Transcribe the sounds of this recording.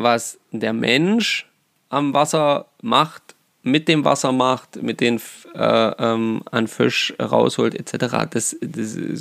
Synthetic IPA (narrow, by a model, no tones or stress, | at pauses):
vas | d̥eːɐmʔɛnʃ | ʔamvasɐ | maχt | mɪt̚d̥eːmva̰sɐmaχtmɪt̚d̥eːnʔɛ̰ːʔɛːma̰nfɪʃʁa̰ʊshoːltɛtt͡sɛtəʁa̰ːd̥asd̥as